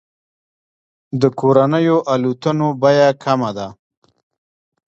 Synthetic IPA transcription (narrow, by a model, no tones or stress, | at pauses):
d̪əkoɾanəjoʔalut̪ənobajakʰamad̪a